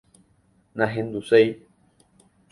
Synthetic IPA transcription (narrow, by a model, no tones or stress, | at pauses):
nãɦẽnd̪usej